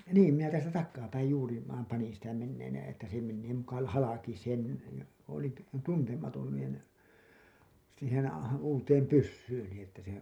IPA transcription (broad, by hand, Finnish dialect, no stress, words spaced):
niːm minæ tæːltæ tɑkːɑːpæij juːri ʋɑːm pɑnin sitæ menːeːn etːæ se menːeː mukɑ l hɑlɑki sen jɑ olin t tuntemɑton niˑn siːhen uːteːm pysːyːni etːæ se